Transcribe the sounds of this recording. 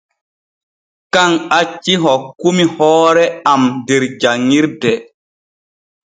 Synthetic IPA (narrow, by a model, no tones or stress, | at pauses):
kaŋat͡ʃːiɦɔkːumihɔːɾɛamdeɾd͡ʒaŋːiɾdɛ